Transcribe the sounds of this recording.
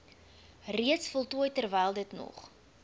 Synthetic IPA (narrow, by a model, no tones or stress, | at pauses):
riətsfəlˠtuəjtərvɛjlˠdətnɔ̰χ